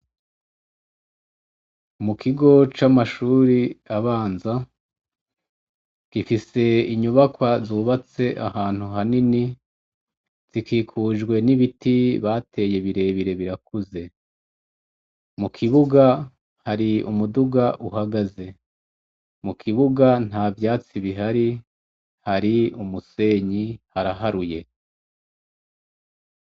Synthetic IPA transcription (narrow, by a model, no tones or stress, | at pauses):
mukʰiɡo̞t͡ʃamaʃuːɾiaβaːnza | kifise̞iɲuβakwazuːβat͡se̞ʔahaːn̥huɦanini | z̥ikʰiːkʰuːʒɡwe̞niβitiβatʰe̞ːje̞βiɾe̞ːβiɾe̞βiɾakuze̞ | mukʰiβuɡa | haɾiṵmuduɡaʔuɦaɡaze̞ | mukʰiβuɡan̥aːvjaːt͡siβiɦaɾi | haɾiumuse̞ɲihaɾaɦaɾuje̞